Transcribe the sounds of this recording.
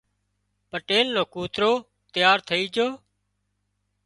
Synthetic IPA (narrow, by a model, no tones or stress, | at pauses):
pəʈeːlːoːkuːt̪ɾoː | t̪jaːɾt̪ʰəiːd͡ʒoː